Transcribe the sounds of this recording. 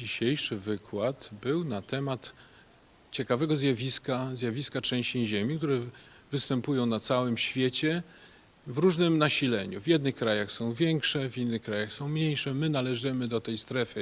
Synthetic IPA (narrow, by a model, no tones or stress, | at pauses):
iɕejʂɘvɘkʰwat̪bɘwnat̪ɛmat̪ | t͡ɕɛkavɛɡɔzʲjavʲiskazʲjavʲiskat͡ʂɛ̃w̃ɕt͡ɕiʑemʲik̚t̪uɾɛ | vɘst̪ɛmpujɔ̃w̃nat̪sawɘmɕfʲjet͡ɕɛ | vɾuʐnɘmnaɕilɛɲṵvʲjɛd̪nɘxkɾajaxsɔ̃w̃vʲjɛŋkʂɛvʲinːɘxkɾajaxsɔ̃w̃mɲejʂɛmɘnalɛʐɘmɘd̪ɔt̪ɛjst̪ɾɛfɘ